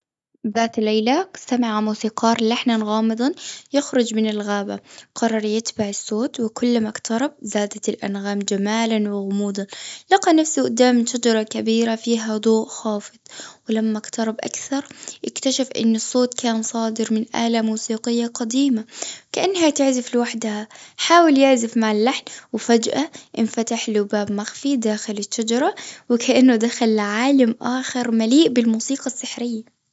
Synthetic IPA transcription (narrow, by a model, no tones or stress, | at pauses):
ðaːt̪lajlast̪amaʕamuːsiːqɑːɾˤlaħnanɣɑːmɨd̪ˤɑnjɪxɾʊd͡ʒmɪnɪlɣaːba̰qɑrˤːɑɾˤjɪt̪baʕɪsːoːt̪wɪkʊlːmakt̪ʰɑɾˤɑb̚zaːd̪at̪ɪlʔa̰nɣaːmd͡ʒamaːlanwɪɣʊmuːd̪ˤɑnlɑqɑnafsiʔʊd̪ːaːmɪʃad͡ʒɑɾˤɑkabiːɾafiːɦad̪ˤoːʔxɑːfɨd̪̥ˤwɪlamːakt̪ɑɾˤɑbʔa̰kθɑɾˤʔɪkt̪aʃafʔɪ̰nːɨsˤːoːt̪kaːnsˤɑːd̪ɪɾmɪnʔa̰ːlamuːsiːqɪjːaqɑd̪iːmakaʔanːhat̪ɪʕzɪflɪwaħd̪haħaːwɪljɪʕzɪfmaʕalːaħnwɪfad͡ʒʔaʔɪnfat̪aħlʊbaːbmaxfid̪aːxɪlɪʃːad͡ʒɑɾˤɑwɪkʰaʔanːʊd̪axalʕaːlamʔaːxɪɾˤmaliːʔbɪlmuːsiːqɑsːɪħɾɪjːa